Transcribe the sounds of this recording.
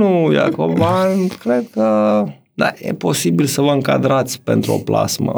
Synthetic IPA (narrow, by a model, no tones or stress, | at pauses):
uja̰kovankɾed̪̚kə | d̪a̰jḛpo̞sibilsəvəɨŋkad̪ɾat̪sʲpḛnt̪ɾuo̞̰pla̰smə̰